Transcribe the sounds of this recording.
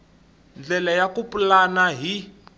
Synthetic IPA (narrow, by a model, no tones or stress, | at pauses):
nd͡ɮɛlajakupulanaɦi